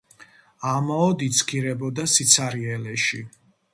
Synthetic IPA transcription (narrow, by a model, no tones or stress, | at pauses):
amaɔd̪it̪sʰkʰiɾɛbɔd̪asit̪sʰaɾiɛlɛʃi